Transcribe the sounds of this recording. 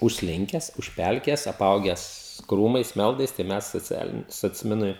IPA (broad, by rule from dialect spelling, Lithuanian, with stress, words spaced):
ʊʃʲsʲˈlʲɪŋʲkʲɛs ʊʃʲˈpʲɛlʲkʲeːjɛs ɐˈpɐʊɡʲæːs ˈkruːmɐɪs ˈmʲɛlˠdɐɪs tɐɪ ˈmʲɛs soːˈt͡sʲæːlʲɪnʲɪ soːt͡sʲˈmʲɪnʊɪ